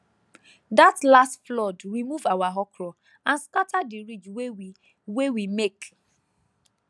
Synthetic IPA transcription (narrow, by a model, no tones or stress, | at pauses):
datlastflɔdɹimuvawaɦɔkʰɹɔ | ãnskatʰadiɹid͡ʒwe | wewimek